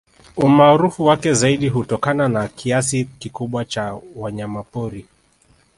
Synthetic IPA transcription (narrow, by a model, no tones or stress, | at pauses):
umaːɾufuwakɛzaiɗiɦutɔkananakʰiasikikuɓwat͡ʃawaɲamapɔɾi